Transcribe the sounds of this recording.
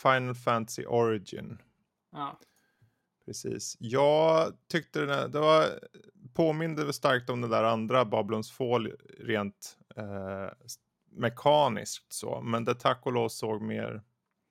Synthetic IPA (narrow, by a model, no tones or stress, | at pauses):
fajnəlfænt̪asɪ̰ʔɔɾɪd͡ʒɪ̰n | pʰɾɛsḭːsjɑːɡt̪ʰʏk̚t̪əd̪ɛ̰d̪ɛva | pʰoːmɪnd̪əst̪aɾk̚t̪ɔmd̪ɛd̪æːɾand̪ɾabɑːbɪlʊnsfoːlɾeːnt̪ː | mɛkʰɑːnɪ̰sk̚t̪so̰ːmɛnd̪ɛt̪ʰakːʊloːsoːɡmḛːɾ